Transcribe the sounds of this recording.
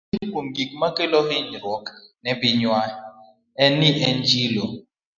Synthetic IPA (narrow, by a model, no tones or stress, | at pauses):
kuŋɡik̚makeloɦiɲɾwɔknɛbɪɲwa | ɛniʔɛnd͡ʒilo